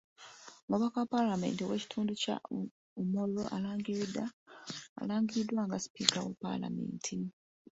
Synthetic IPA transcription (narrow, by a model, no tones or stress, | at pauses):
muβakawapalame̞̰ːntiweci̥tʰuːnduca̰ | umoloʔalaːŋɡiɾida̰ː | laːŋɡiɾidwaːŋɡasi̥piːkawḛpa̰la̰me̞̰ːntʰi